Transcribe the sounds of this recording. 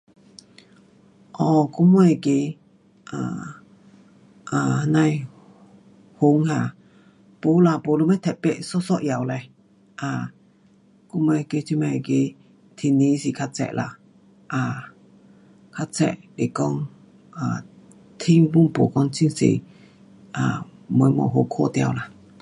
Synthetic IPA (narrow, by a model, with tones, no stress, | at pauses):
ʔɔ˧˨ku˧mu˧ɛ˧˨ke˧˦ | ʔa̰˨ | ʔa˨na˧j | ho˨˦ŋha˨ | po˨˦la˧˨po˨lu˧˦mɛ˦t̪ʰɛ˨pɛ˧˨ʔsɔ˦sɔ˦ʔja˨wlɛ˧ | ʔa˧˩ | ku˧˦mɛ˧ke˧t͡ɕʰi˧mɛ˧˨ke˧˦ | t̪ʰi˧˨ni˧˦si˨kʰa˧t͡sɛ̰˧˨ʔlʔa̰˧˨ | ʔa˨ | kʰa˧t͡sɛ̰˧ʔle˨kɔ˧ŋ | ʔa˨ | t̪ʰi˧˦wu˦˨npo˨kɔ˧ŋt͡sʰi˧ŋsḛ˨ | ʔa̰˨˩mo˨˦jmɔ̰˨ɦo˨˦kʰo˦˧˨t̪ja̰˧wla˨